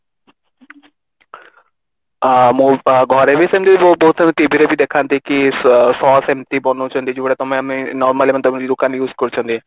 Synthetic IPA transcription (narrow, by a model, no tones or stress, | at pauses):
mũɡʱɔɾebʱisemt̪ibibot̪̚bɔɦːt̪ʰt̪ibʱiɾebʱid̪ekʰãnd̪ikisɔːsemt̪ibɔnũt͡ʃʰõnd̪id͡ʒuʋɽet̪ɔmẽmẽnɔːɾmalemɐ̃nt̪ɔb̃d͡ʒid̪ʊkʰãːnjuːzkɔɾt͡ʃʰoɦnd̪i